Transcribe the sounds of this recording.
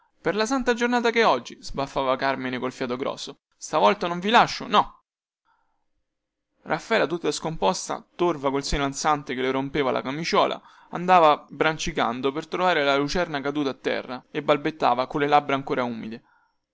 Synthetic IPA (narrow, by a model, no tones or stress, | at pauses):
perlasant̪ad͡ʒornaːt̪akeɔd͡ʒːizbafːaːvakarmenekolfjaːt̪oɡɾɔ̰ːsːo | st̪avɔlt̪anoɱvilaʃːonɔ | rʔafːaɛːlat̪ut̪ːaskompɔst̪a̰t̪orvakolseːnoansant̪ekeleɾompeːvalʔa̰kamit͡ʃɔ̰ːlʔa̰ | a̰nd̪aːvabɾant͡ʃika̰nd̪opert̪ɾovaːɾelalut͡ʃɛrnakad̪uːt̪at̪ːɛ̰rːaebːalbet̪ːa̰ːvakolːelabɾaŋkoːɾauːmid̪e